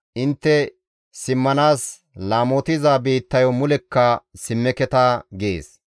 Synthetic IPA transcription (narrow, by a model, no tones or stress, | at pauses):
ʔɪnt̪ːɛ | sɪmːɐnaːs | laːmot̪ɪzabiːt̪ːɐjɔmʊlɛkːɐsɪmːɛkɛt̪aɡḛːs